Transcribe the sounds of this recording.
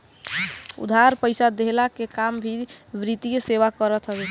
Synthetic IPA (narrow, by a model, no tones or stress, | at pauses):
ṵd̪ʱaɾpəɪsad̪eɦlakekambʱiʋɾit̪ijeseβakəɾət̪ʰɦəɛ